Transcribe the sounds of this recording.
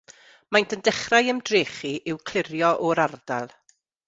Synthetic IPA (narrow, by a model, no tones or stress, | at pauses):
majntʰəndɛχrajəmdreːχiʔɪwkʰl̥ˠɪɾjɔʔɔɾard̥a̰lˠ